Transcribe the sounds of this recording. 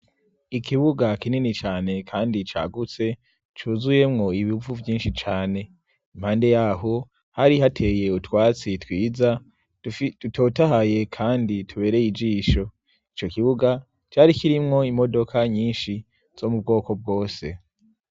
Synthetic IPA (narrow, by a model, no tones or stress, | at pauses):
ikiβuɡakininit͡ʃaːne̞kʰaːndit͡ʃa̰ːɡut͡se̞ | t͡ʃuːzuje̞mŋo̞iβiuvuvjiːnʃit͡ʃaːne̞ | im̥haːnde̞jaɦo | haɾiɦatʰe̞je̞utwaːt͡sitwiːza | d̥uto̞ːtaɦaje̞kʰaːnditʰuβe̞ːɾe̞jid͡ʒiːʃo̞ | it͡ʃo̞kiβuɡa | t͡ʃaːɾikiɾimŋo̞imo̞do̞kʰaɲiːnʃi | z̥o̞mub̚ɡo̞ːko̞b̚ɡo̞ːse̞